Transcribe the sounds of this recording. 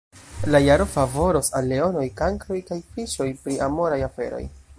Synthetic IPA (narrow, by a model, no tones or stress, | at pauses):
lajaɾo̞favo̞ɾosalːe̞o̞no̞jkaŋkɾo̞jkajfiʃo̞jpɾiʔamo̞ɾajafe̞̰ɾo̞̰j